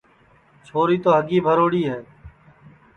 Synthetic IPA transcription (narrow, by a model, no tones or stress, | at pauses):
t͡ʃʰoːɾiːt̪oːɦəɡiːbʱəɾoːɽiːɦɛː